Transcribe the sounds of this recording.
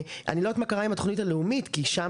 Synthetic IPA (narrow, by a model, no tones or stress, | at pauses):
ʔa̰nilot̪makaʁaimat̪o̥χnitaleumitkiʃa